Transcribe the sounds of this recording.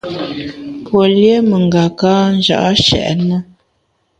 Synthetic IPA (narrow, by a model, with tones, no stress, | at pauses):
pwo˨lje˦mə˨ŋ˨ɡa˨ka˦n̩˦d͡ʒa̰˨ʔʃɛ̰˨ʔnə˦